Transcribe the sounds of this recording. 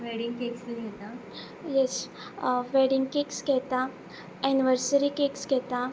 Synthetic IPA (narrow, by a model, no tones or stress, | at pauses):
ʋɛɽĩŋɡkekst̪əɡʱɛt̪a | jes | ʋeɽiŋɡkekskɛt̪a | ɛniʋəɾsəɾikekskɛt̪a